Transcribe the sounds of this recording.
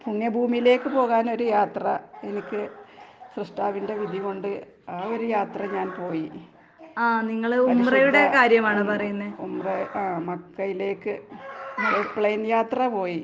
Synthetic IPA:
puɳjɐbʱuːmijle̞ːkːɨpo̞ːɣaːno̞ɾujaːt̪rɐe̞nikʲːɨsrɨʂʈaːʋinde̞ʋid̪ʱiɣo̞ɳɖɨ | aːo̞ɾujaːt̪rɐɲaːnpo̞ːji | aːniŋːɐɭuɐmirɐjuɽe̞kaːɾjɐmaːɳɨpɐrɐjunːɨumrɐaːmɐkːɐjile̞ːkːɨ | epɭejnjaːt̪rɐpo̞ːji

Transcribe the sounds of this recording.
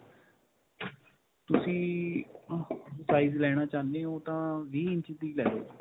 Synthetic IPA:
t̪ʊsĩː | saːiːzlɛːɽ̃aːt͡ʃaːnd̪ẽːoːt̪ãːʋiːɪnt͡ʃɪt̪iːlɛːd̪o̰ː

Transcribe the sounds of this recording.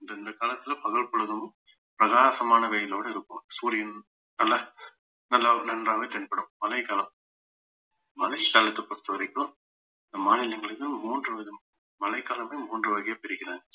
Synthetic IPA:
ɪnd̪ɐɪnd̪ɐkaːlɐt̪ːɪlɐpɐɣɐɭpɐɭɯðɯm | pɪɾɐɣaːsɐmaːnɐʋeːjɪloːɽɐɪɾɯkːɯmsuːɾɪjɐn | nɐlːa | nɐlːaːnɐnraːʋɐt̪ɛnpɐɽɯ̃mmɐlɐɪkaːlɐm | mɐlɐɪkaːlɐt̪ːɯpɐst̪ːɐʋɐɾɐɪkːɯ̃ | ɪnd̪ɐmaːnɪlɐŋɡɐɭɯkːɯlmuːndrɯʋɐɣɐm | mɐlɐɪkaːlɐmeːmuːndrɯʋɐɣɐjɐpɛɾɪkːɪnaːŋɡɐ

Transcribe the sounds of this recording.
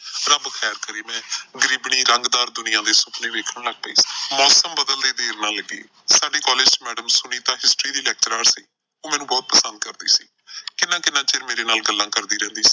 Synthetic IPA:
ɾəbkʰɛːɾkəɾiːmɛ̃ːɡəɾiːbɳiːɾəŋɡd̪aːɾd̪ʊnɪjãːd̪eːsʊpnĩːʋeːkʰəɳləɡ̚pəḭːsi̥mɔːsəmbəd̪əld̪eːd̪eːɾnãːləɡiː | saːɖeːkɔːleːd͡ʒsmɛːɖəmsʊniːt̪ãːɦɪsʈɾiːd̪iːlɛːk̚t͡ʃɾaːɾsiː | oːmɛ̃ːnũːbɔːt̪̚pəsə̃nd̪̚kəɾd̪iːsḭː | kɪnːãːkɪnːãːt͡ʃɪɾmeːɾeːnaːlɡəlːãːkəɾd̪iːɾɛ̃ːnd̪iːsi̥ː

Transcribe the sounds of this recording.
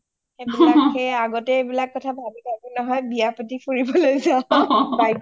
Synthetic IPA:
xebilakxeaɡɔtɛebilakːɔtʰabʱabitakunɔɦɔjbijapɔtifʰuɹibɔlojzãbaj

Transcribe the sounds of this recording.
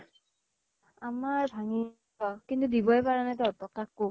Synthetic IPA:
amaɹbʱaŋi | akintudibɔɛpaɹanatɔɔtɔkakːo

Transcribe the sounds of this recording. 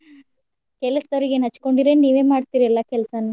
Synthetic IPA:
kɛlɐsd̪ɐɾiɡenɐt͡ʃːko̞ɳɖiɾeniːʋe̞ːmaːɖt̪iːɾiɛlːɐkɛlɐsɐnu

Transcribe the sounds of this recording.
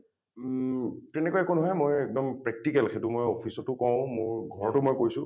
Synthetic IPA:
tɛnɛkɔjɛkonʊɦɔjmojɛk̚dɔmpɹɛk̚tikɛlxetʊmojɔpʰisɔtʊkɔ̃wʊ̃mʊɹɡʱɔɹɔtʊmojkojsʊ̃

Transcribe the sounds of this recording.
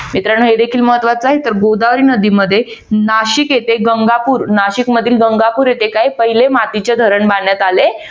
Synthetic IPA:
mit̪ɾaɳɦed̪ekʰiːlməɦət̪ʋat͡səaɦet̪əɾɡowd̪aʋɾiːnəd̪iməd̪ʱːje | naɕikjet̪eɡəŋɡapuːɾnaɕikməd̪ʱiːlɡəŋɡapuːɾjet̪ekaɦipəɦilemat̪it͡ɕed̪ʱəɾəɳbaɳjat̪ale

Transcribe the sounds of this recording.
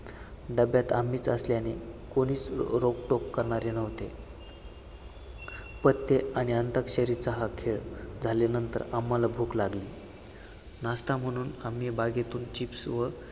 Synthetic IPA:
ɖəbjat̪amiːt͡səsljanekoɽ̃iːt͡sɾokʈokːəɾɳaɾenəʋt̪e | pət̪ːeaɽ̃iənt̪əkɕəɾit͡səɦakʰeɭd͡zʱalenənt̪ə̰ɾamːalabʱuːklaɡliː | nast̪am̤əɽ̃uːnam̤ːibaɡet̪uːnt͡ɕipsʋə

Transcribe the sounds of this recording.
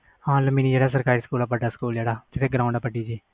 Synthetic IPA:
hãːləmiːniːd͡ʒeːɽaːs̬əɾkaːɾiːsə̥kuːlaːp̬əɖaːsə̥kuːld͡ʒeːɽaːd͡ʒ̪et̪eːɡɾaːʊ̃ɳɖaːpəɖiːd͡ʒiː

